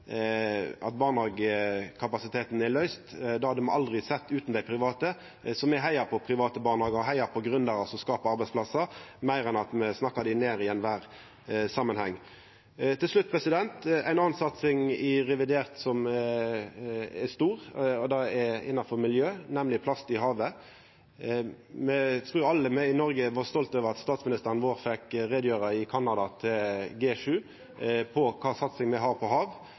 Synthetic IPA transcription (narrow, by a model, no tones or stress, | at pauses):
ɑt̪̚bɑːʁnɑɡkʰɑpɑsɪt̪ʰeːt̪nɛlœʏst̪d̪ɑːhɑd̪əmnʔɑ̰ld̪ʁɪsɛt̪ːʉːt̪nd̪æɪpʰʁɪʋɑːt̪ə | sɔmɛɦæɪɑpʰɔpʰɾɪʋɑːt̪əbɑːʁnhɑːɡəɔɦæɪɑpʰɔɡɾʉnd̪ɑɾɑsɔskɑːpɑɑɾbæɪsplɑsəmæɪɾɛnɑt̪mɛsnɑkːɑd̪ɪneːɾɪɛnʋæːʁ | sɑmːənhɛŋː | t̪ʰːɪlʂlʉt̪̚ːpʰʁɛsɪd̪ɛnt̪æ̰ɪnɑnsɑt̪sɪŋɪʁɛʋɪd̪eːʁt̪sɔm | ɛst̪uːʁɔd̪ɑɛɪ̰nɑfɔʁmɪljøːnɛmlɪpʰlɑst̪ɪɦɑːʋə | mɛt̪ʰɾʉːɑlːəmɛɪnɔɾɡəʋɑst̪ɔlt̪øːʋəʁɑt̪st̪ɑːt̪smɪnɪst̪əʁənʋoːʁfɛkɾeːd̪jøːɾəɪkʰɑnːɑd̪ɑt̪ʰɪlɡeːʃʉː | pʰɔkʰɑːsɑt̪sɪŋmɛɦɑːʁpʰɔɦɑːʋ